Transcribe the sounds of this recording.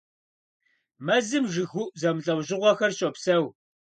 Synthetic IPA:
mɐzɨmʒɨɣʊʔzɐmɮʼɐwʑɪʁʷɔxɐrɕʼopsɐw

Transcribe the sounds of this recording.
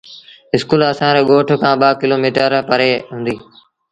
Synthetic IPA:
ɪskuːləsãːɾẽːɠoːʈʰkãːɓaːkɪloːmiːʈəɾpəɾeːɦʊ̃ːnd̪iː

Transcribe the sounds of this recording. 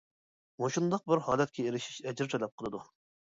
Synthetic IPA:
moʃund̪ɑq̚bɪɾhɑːlɛt̪̚kʲʰɛeɾɪʃi̥ʃɛd͡ʒɾt̪ʰɛlɛp̚qʰəlˠɨd̪u

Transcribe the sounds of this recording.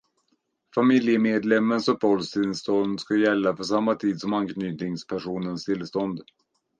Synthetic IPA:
famɪljəmeːd̪lɛmːənsɔpɔlst̪ʰɪlst̪ɔnd̪skajɛlːafœʂamːat̪ʰiːd̪sɔmankʰnyːt̪nɪŋspʰæʂuːnənst̪ʰɪlst̪ɔnd̪

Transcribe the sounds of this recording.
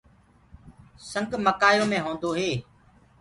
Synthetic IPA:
səŋɡməkaːjõːmẽːɦõːnd̪oːɦeː

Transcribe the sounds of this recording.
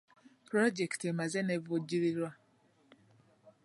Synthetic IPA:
pɾɔd͡ʒɛktemazɛnevod͡ʒiɾiɾwa

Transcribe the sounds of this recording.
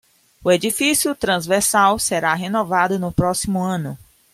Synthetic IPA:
ʊed͡ʒifisijʊt̪ɾɐ̃zveɾsawseɾaɦenɔvad̪ʊnʊpɾɔsimʊɐ̃nʊ

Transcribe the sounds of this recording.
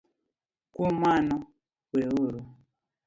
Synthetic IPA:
kumanɔ | weuɾu

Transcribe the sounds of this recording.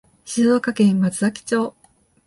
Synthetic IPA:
ɕizoːkakẽ̞mmat͡sɨzakʲi̥t͡ɕo̞ː

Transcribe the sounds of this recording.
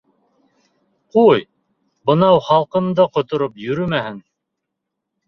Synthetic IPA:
quj | bɤ̆nɑwχɑlˠqɤ̆md̪ɤqŏt̪ŏɾopjɵ̆ɾɵmæhɘn

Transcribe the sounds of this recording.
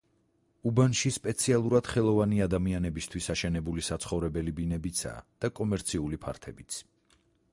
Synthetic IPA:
ubanʃispʼɛt̪sʰialˠuɾad̪̥χɛlˠɔvaniad̪amianɛbist̪ʰwisaʃɛnɛbulisat̪sʰχɔvɾɛbɛlibinɛbit̪sʰa̰ːd̪̥akʼɔmɛɾt̪sʰiulipʰa̰ɾt̪ʰɛbit̪sʰ

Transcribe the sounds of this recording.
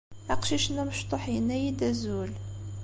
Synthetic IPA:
æqʃiʃnːæməʃt̪ˤoħjənːæjid̪æzul

